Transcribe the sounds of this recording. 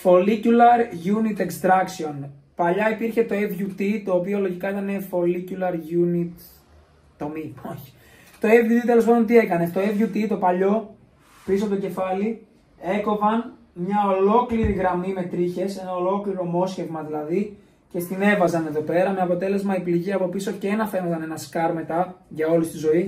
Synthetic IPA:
fo̞liculɐɾʝunit̪ekst̪ɾɐksio̞n | pɐʎɐipiɾçe̞t̪o̞evʝut̪it̪o̞ːpio̞lo̞ʝikɐit̪ɐne̞fo̞liculɐɾʝunit̪ | t̪omio̞çi̥ | t̪o̞evʝut̪it̪e̞lo̞spɐðo̞nt̪̬ie̞kɐnet̪o̞e̞vʝut̪it̪o̞pɐʎo̞ | pisot̪oce̞fɐli | e̞ko̞vɐn | mɲɐo̞lo̞kliɾiɣɾɐmime̞t̪ɾiçe̞se̞nɐo̞lo̞kliɾo̞mo̞sçe̞vmɐðilɐði | ce̞st̪ine̞vɐzɐne̞ðo̞pe̞ɾɐmeɐpo̞t̪e̞le̞zmɐipliʝiɐpo̞piso̞ceenɐfe̞nɐzɐnenɐskɐɾme̞t̪ɐʝɐo̞list̪izo̞i

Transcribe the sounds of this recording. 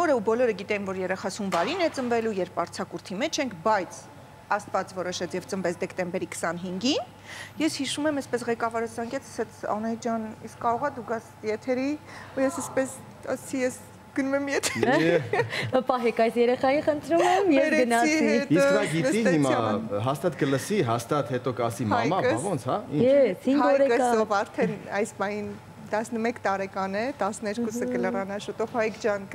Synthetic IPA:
ɔɾəubɔlɔɾəɡit̪ɛimvɔɾjɛɾɛχɑt͡sʰumvɑɾinɛt͡sənvɛlujɛɾpɑɾt͡sʰɑkuɾt̪ʰimɛt͡ʃʰɛŋkʰbɑjt͡sʰ | ɑst̪vɑt͡svɔɾɔʃɛt͡sʰjɛvt͡sənvɛt͡sʰd̪ɛkt̪ɛmbɛɾikʰə̥sɑnɦiŋɡin | jɛshiʃumɛməspɛsʁɛkɑvɑɾəzɑŋɡɛt͡sʰə̥sɛt͡sʰɑ̰nɛd͡ʒɑniskːɑɾɔʁɑd̪uɡɑsjɛt̪ʰɛɾiujɛsəspɛs | ɑ̰st͡sʰijɛs | ɡ̥ənumɛmjɛt̪ʰɛɾ | pɑɦɛkɑjsjɛɾɛχɑjiχənt̪ʰɾumɛmjɛvɾɡənɑiisknɑɡitnɛsiɦimɑɦɑst̪ɑt̪kələsiɦɑst̪ɑt̪hɛt̪ɔkɑsimɑmɑvɔnt͡sʰhɑḭnjɛsiɑɔɾɛkəsɔvɑɾt̪ʰɛnɑjspɑhin | t̪ɑsnəmɛkt̪ɑɾɛkɑnɛt̪ɑsnɛɾkusəkələrɑnɑʃɔt̪ɔpʰɑikd͡ʒɑnk

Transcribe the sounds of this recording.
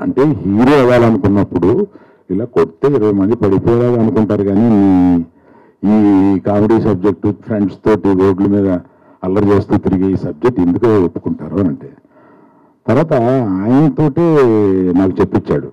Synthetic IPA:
ɐ̰ɳʈe̞ːɦiːɾoːɐʋaːlɐnukunːɐpːuɽu | ilaːko̞ɽit̪e̞ːiɾɐʋɐjmɐnd̪ipɐɽipɔːjɐlaːɡaːnukuɳʈaːɾuɡaːni | iːkaːmiɽiːsɐb̚d͡ʒek̚ʈupʰɾe̞ɳɖst̪o̞ːʈiʋo̞ːɖlumiːd̪ɐ | ɐlːɐɾt͡ʃe̞ːst̪uːt̪iɾiɡeiːsɐb̚d͡ʒek̚ʈe̞nd̪ukopːu̥kuɳʈaːɾunɐɳʈe̞ː | t̪ɐɾʋaːt̪ɐaːjɐnɐt̪o̞ːʈeːnaːkut͡ʃe̞pːit͡ʃːaːɽu

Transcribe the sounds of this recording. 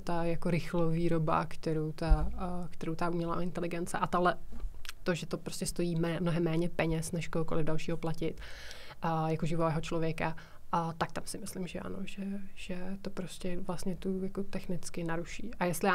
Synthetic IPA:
t̪ajakoɾɪxloviːɾo̞ba̰kt̪ɛɾowt̪akt̪ɛɾowt̪aʔumɲɛla̰ʔo̰ɪnt̪ɛlɪɡɛnt͡sɛʔat̪oɦlɛt̪o̞ʒɛt̪o̞pɾoscɛst̪o̞jiːmɛmnoɦɛmːɛːɲɛpɛɲɛsnɛʃkoɦokolɪvdalʃiːɦoplacɪt̪ʔjakoʒɪvoɛːɦo̞t͡ʃlovjɛka | t̪ak̚t̪amsɪmɪslɪmʒɛʔa̰no̰ʒɛʒ̥ɛt̪opɾoscɛvlast̪ɲɛt̪ujakot̪ɛxnɪt͡skɪnaɾuʃiːʔajɛst̪lɪjaː

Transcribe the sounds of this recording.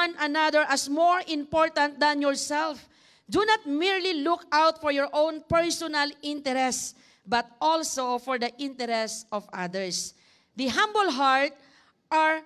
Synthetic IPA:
ãnɐnad̪ɛɹʔɐsmɔɹɪ̃mpɔɹt̪ãnt̪̚d̪ɐ̃njɔɹsɛlf | d̪unat̪̚miɹlilʊkawt̪fɔɹjɔɹʔõwnpɛɹsɔnalɪ̃nt̪ɛɾɛst | bɐt̪̚ʔɔlsofɔɹd̪ɐʔɪ̃nt̪ɛɾɛstɔvad̪ɛɹs | d̪ɐɦãmbəlɦaɹt̪̚ | ʔaɹ

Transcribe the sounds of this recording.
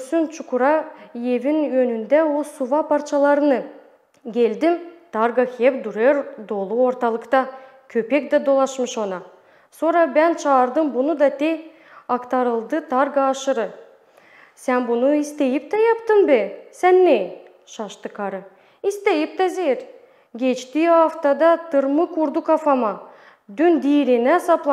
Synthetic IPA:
synt͡ʃʰukuɾɑjevinjønynd̪æosuvɑpʰɑɾt͡ʃʰɑlˠɑɾɯnɯ | ɡʲe̞ld̪imt̪ʰɑɾɡɑkʲʰepd̪uɾeɾd̪o̞lˠuo̞ɾt̪ɑlˠɯqt̪ɑ | kʲʰøpek̚d̪ɛd̪o̞lˠɑʃmɯʃonɑ | so̞ɾɑbænt͡ʃʰɑːɾd̪ɯmbunud̪ɑt̪e | ɑkt̪ʰɑɾɯlˠd̪ɯt̪ʰɑɾɡaːʃɯɾɯ | sænbunuist̪ejip̚t̪ɛjɑpt̪ɯmbɛsænːe | ʃɑʃt̪ɯkʰɑɾɯ | ist̪ejip̚t̪ɛzeɾ | ɡʲet͡ʃt̪iɑft̪ɑd̪ɑt̪ʰɯɾmɯkʰuɾd̪ukɑfɑmɑ | d̪ynd̪iːɾinɛsɑplˠɑ

